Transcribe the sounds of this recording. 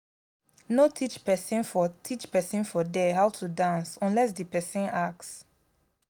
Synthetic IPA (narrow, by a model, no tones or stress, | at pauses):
notʰit͡ʃpɛsĩnfɔtʰit͡ʃpɛsĩnfɔdɛhawtʰudãnsɔ̃nlɛs̬dipɛsĩnaks